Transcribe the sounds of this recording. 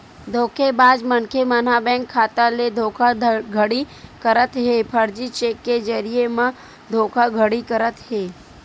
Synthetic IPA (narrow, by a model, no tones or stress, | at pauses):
d̪ʱoːkʰebaːd͡ʒmənkʰemən̤abɛ̃ːŋkʰːaːt̪aled̪ʱoːkʰaɡʱəɽi | kəɾət̪ɦeːpʰəɾd͡ʒit͡ʃeːkːed͡ʒəɾijemã | d̪ʱoːkʰaɡʱəɽikəɾət̪ɦeː